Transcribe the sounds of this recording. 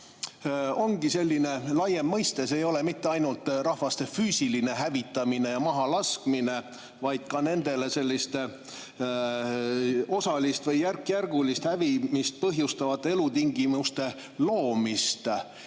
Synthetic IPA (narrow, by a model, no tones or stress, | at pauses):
o̞ŋɡ̥ise̞lʲːine̞lɑjemːɤjst̪e̞sejo̞le̞mit̪ːe̞ɑjnult̪ˑrɑhvɑst̪e̞fyːsiline̞ɦævit̪ːˑɑmine̞jɑmɑɦɑlɑskmine̞ | vɑjd̪̥kɑne̞nd̪̥e̞le̞se̞lʲːist̪ | o̞sɑlist̪vɤjːærkjærɡ̥ulist̪hævimist̪̚pɤɦjust̪ɑvɑt̪ːee̞lut̪iŋɡimust̪e̞ | loːmist̪